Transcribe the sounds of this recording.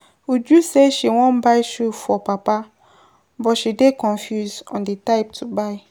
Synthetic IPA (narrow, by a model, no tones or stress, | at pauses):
od͡ʒuseʃiwɔ̃mbaɪʃufɔpapa | bɔtʃidekʰɔ̃nfjusɔ̰̃ndetaɪp̚tʰubaɪ